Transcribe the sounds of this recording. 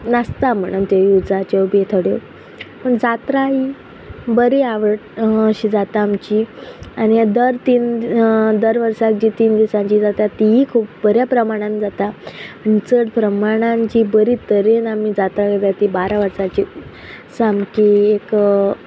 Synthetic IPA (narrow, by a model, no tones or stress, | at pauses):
nəst̪am̤əɽ̃uːnt̪jejud͡zat͡ɕewbet̪ʰəɽjo | pəɳd͡zat̪ɾaɦi | bəɾiaʋəʈːɕiːd͡zat̪aːmt͡ɕianid̪əɾt̪iːn | d̪əɾʋəɾsak̚d͡ʑiːt̪iːnd̪isãɲt͡ɕiːd͡zat̪at̪iikʰuːpbəɾjapɾəmaɽ̃ãnd͡zat̪aanit͡səʈpɾəmaɽ̃ãɲt͡ɕiːbəɾit̪əɾenamid͡zat̪akəd̪at̪ibaɾaʋəɾsat͡ɕi | samkiːek